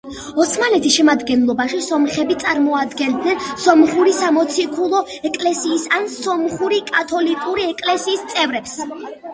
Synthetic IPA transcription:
ɔt̪sʰmanɛt̪ʰisʃɛmad̪ɡɛnlˠɔbaʃisɔmχɛbit̪sʼaɾmɔad̪ɡɛnd̪nɛnsɔmχuɾisamɔt̪sʰikʰulˠɔ | ɛkʼlɛsiːsansɔmχuɾikʼat̪ʰɔlikʼuɾiɛkʼlɛsiːst̪sʼɛvɾɛps

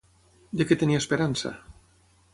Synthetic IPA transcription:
d̪eket̪eniaespeɾansa̰

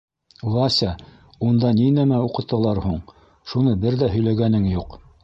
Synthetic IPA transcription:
lˠɑsʲɑ | und̪ɑninæmæuqɤ̆t̪ːɤ̆lˠɑɾhuɴ | ʃunɤbɘɾðæɦɵ̆jlæɡænɘŋjuq

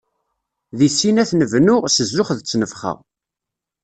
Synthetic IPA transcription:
ðisːinæθnəvnʊʁsəzːʊχðət͡sːnəfχə̰ʁ

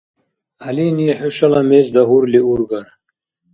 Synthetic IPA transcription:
aliniɛħuʃɐlamezd̪aɦuɾliuɾɡaɾ

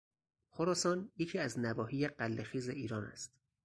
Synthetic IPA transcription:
xoɾɒːsɒːnjecʰiːæznæbɒːhiːjeɢælːexiːzeʔiːɾɒːnæ̰st̪

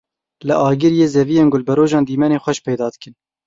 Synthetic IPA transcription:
lɨʔɑːɡɨɾjeːzɛvijeːnɡʊlbɛɾoːʒɑːnd̪iːmɛneːxʷɛʃpɛjd̪ɑːd̪ɨkɨn

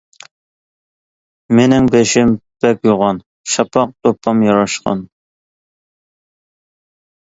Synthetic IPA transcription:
menɪŋbeʃɪmb̥ɛpjoʁɑn | ʃɑpʰɑq̚t̪ʰopʰːɑmjɑɾɑʃqɑ̰n

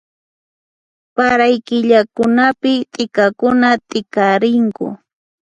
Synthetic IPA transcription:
paɾajkɪʎakʊnapɪt̪ʼɪkakʊnat̪ʼɪkaɾɪŋkʊ̰

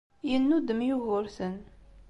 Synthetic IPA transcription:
jənːud̪əmjuɣʊɾθən

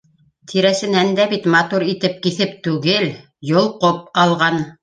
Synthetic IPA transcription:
t̪ʰiɾæsɘ̆nænd̪æβit̪mɑt̪uɾit̪ɘp̚kiθɘp̚t̪ʉɡɘl | jŏlˠqop̚ɑlˠʁɑn

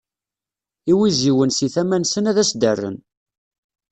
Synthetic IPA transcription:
iwiziwənsiθæmænsənæðæsd̪ərːə̰n

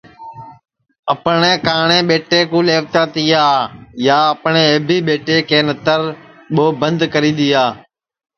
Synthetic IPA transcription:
əpɳeːkaːɳẽːɓeːʈeːkuːleːʋt̪aːt̪iːaːjaːəpɳeːeːbʱiːɓeːʈeːkʰeːnət̪əɾ | ɓoːbənd̪kəɾĩːd̪iːaː

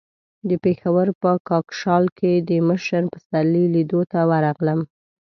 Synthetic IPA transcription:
d̪əpexawəɾpəkɑkʃɑlkʰed̪əməʃəɾpəsalilid̪ot̪awaɾɑɣləm

